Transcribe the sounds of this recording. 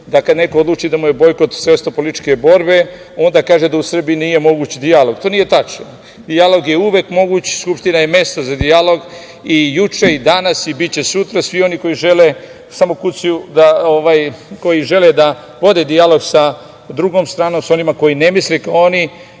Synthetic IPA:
d̪akad̪ne̞kood̪lˠuːt͡ʃid̪amuje̞bo̞jko̞t̪sʋest̪opolit̪t͡ʃke̞bo̞ɾbe̞ | o̞nd̪akaːʒed̪ausr̩biinije̞mo̞ɡuːt͡ɕd̪ialo̞ɡ̚t̪o̞ːnije̞t̪at͡ʃno | d̪ialo̞ɡje̞uʋekmo̞ɡuːt͡ɕskupʃt̪inajeme̞st̪ozad̪ialo̞ɡ | ijut͡ʃe̞id̪anasibit̪t͡ɕe̞sut̪ɾasʋio̞niko̞jiʒe̞le | samo̞kusjud̪aoʋajko̞jiʒe̞led̪a | ʋo̞d̪ed̪ialo̞ɡsa | d̪ɾuɡo̞ːmst̪ɾaːno̞ːmso̞nimako̞jine̞mislekaoni

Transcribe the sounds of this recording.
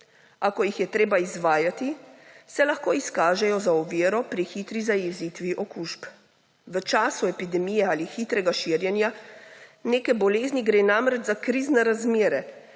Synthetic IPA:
akɔjixjɛt̪ɾeːbaizʋaːjat̪isɛlaxkoːiskaːʒɛjɔzaɔʋiːɾɔpɾixiːt̪ɾizajɛziːt̪ʋiʔɔkuːʃp | ʋət͡ʃaːsuɛpid̪ɛmijɛaːlixiːt̪ɾɛɡaʃiɾjɛnja | neːkɛbɔleːzniɡɾeːnamɾɛd͡ʒzakɾiznɛɾazmeːɾɛ

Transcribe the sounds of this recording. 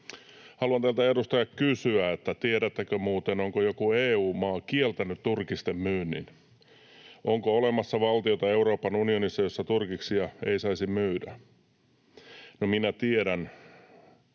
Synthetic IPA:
hɑluɑnt̪ælt̪æedust̪ɑjɑkkysyæet̪ːæt̪ieɾæt̪ːækømuːt̪enoŋkojokueːuːmmɑːkielt̪ænyt̪t̪urkist̪emmyːnːḭn | ʔoŋkoolemɑsːɑʋɑlt̪iot̪ɑeuɾoːpɑnunionisːɑjosːɑt̪urkiksiɑeisɑisimmyːdæ̰ | nominæt̪ieɾæn

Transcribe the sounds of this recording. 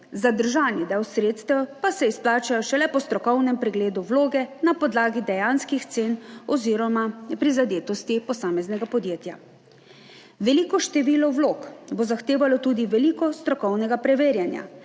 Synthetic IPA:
zad̪əɾʒaːnid̪ɛwsɾeːt̪st̪ɛwpasɛisplaːt͡ʃajɔʃɛlɛpɔst̪ɾɔkɔwnɛmpɾɛɡleːd̪uwloːɡɛnapɔd̪laːɡid̪ɛjanskixt̪seːnɔziːɾɔmapɾizad̪eːt̪ɔst̪ipɔsaːmɛznɛɡapɔd̪jeːt̪ja | ʋɛlikɔʃt̪ɛʋiːlɔwlokbozaxt̪eːʋalɔt̪uːd̪iʋɛliːkɔst̪ɾɔkɔwnɛɡapɾɛʋeːɾjanja̰

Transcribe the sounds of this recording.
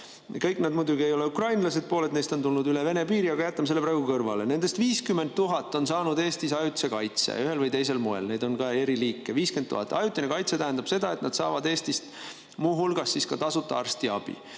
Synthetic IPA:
kɤjkːˑned̪mujd̪uɡie̞jo̞le̞ukrɑjnlɑse̞d̪̥̚po̞ːle̞t̪nejst̪o̞nt̪ulnud̪yleve̞ne̞piːɾiɑɡɑjæt̪ːˑɑmse̞lːepɾɑːɡ̥ukɤrvɑle̞ne̞nd̪̥e̞st̪viːskyme̞nt̪̚t̪ːuɦɑt̪ːˑo̞nsɑːnud̪e̞ːst̪isɑjut̪se̞kɑjt̪sḛyɦe̞lvɤjt̪e̞jse̞lmoḛlne̞ːd̪̥o̞nkɑe̞ɾiliːkːˑeviːske̞nt̪ːṵhɑt̪ːˑɑ̰jut̪ːˑinekɑjt̪se̞t̪æɦænd̪̥ɑb̥se̞d̪ɑe̞t̪nɑd̪̥sɑ̰ːvɑd̪e̞ːst̪ist̪ | muːɦulɡ̥ɑsːiskɑt̪ɑsut̪ːˑɑɑrst̪iɑb̥ḭ

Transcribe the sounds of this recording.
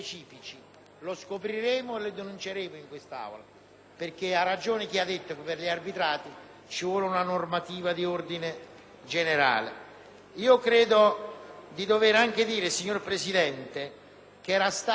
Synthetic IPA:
t͡ʃiːfit͡ʃi | loskopɾiɾeːmʊeled̪enunt͡ʃeɾeːmʊiŋkwest̪a̰ːwla̰ | perk̟earːad͡ʒoːnɪk̟iad̪ːet̪ːokɪpːerʎiarbit̪ɾaːt̪i | t͡ʃivwɔːlunanormat̪iːvad̪iord̪ine | d͡ʒeneɾa̰ːlḛ | iːokɾeːd̪od̪id̪oveɾaŋk̟ed̪iːɾesiɲːorpɾesid̪ɛnt̪e | k̟eɛːɾast̪a

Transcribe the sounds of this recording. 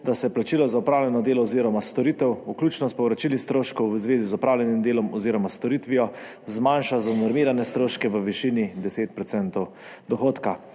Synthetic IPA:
d̪asɛplat͡ʃiːlɔzaupɾaːwlʲjɛnɔd̪eːlɔɔziːɾɔmast̪ɔɾit̪ɛwuklʲjuːt͡ʃnɔspɔwɾat͡ʃilist̪ɾoːʃkɔwʋəzʋeːzizɔpɾaːwlɛnimd̪eːlɔmɔziːɾɔmast̪ɔɾit̪ʋijɔ | zmanʃazanɔɾmiːɾanɛst̪ɾoːʃkɛʋəʋiʃiːnid̪ɛseːt̪̚pɾɔt̪sɛnt̪ɔw | d̪ɔxoːt̪ka

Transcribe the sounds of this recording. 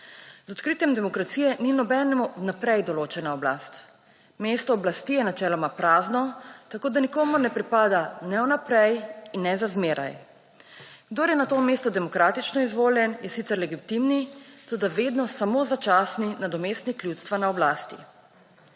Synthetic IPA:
zɔt̪kɾiːt̪jɛmd̪ɛmɔkɾat̪siːjɛninɔbɛnɛmunapɾɛjd̪ɔloːt͡ʃɛnaɔbla̰ːst̪ | meːst̪ɔːblast̪ijɛnat͡ʃɛːlɔmapɾaːznɔt̪akoːd̪anikoːmuɾnɛpɾipaːd̪anɛwnapɾɛjinːɛzazmeːɾa̰j | ɡ̥d̪oɾjɛnat̪oːmest̪ɔd̪ɛmɔkɾaːt̪it͡ʃnɔizʋoːljɛnjɛsit̪sɛɾlɛɡit̪imnit̪oːd̪aʋed̪nɔsamozat͡ʃaːsninad̪ɔmest̪nikljut̪st̪ʋanaɔblaːst̪ḭ

